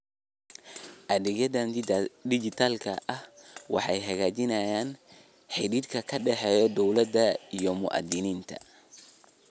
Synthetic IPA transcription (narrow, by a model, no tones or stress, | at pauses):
ʔɐðɛɡjɐðɐnd̪ɪd͡ʒɪt̪ʰaːlkʰɐʔɐhwɑ̰ħɑ̰jɦɐɣaːt͡ʃɪnɐjaːn | ħɪɾiːd̪kʰɐkʰɐɖɛħɛːjɔd̪ɔwlɐd̪ɐijɔmʊ̰ʔɐ̰d̪ɪniːnt̪ʰɐ̰